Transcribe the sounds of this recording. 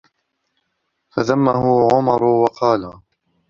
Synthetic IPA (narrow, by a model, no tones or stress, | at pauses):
faðamːaɦʊʕʊmɑɾˤʊwɑqɑːla